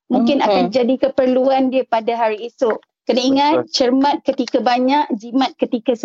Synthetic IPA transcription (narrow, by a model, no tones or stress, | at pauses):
mũŋkɪnakand͡ʒadikəpərluandiapadaɦaɾiːsʊʔ | kənaiŋãt̚t͡ʃərmãt̪̚kət̪ikabaɲaʔd͡ʒimãt̪̚kət̪ikas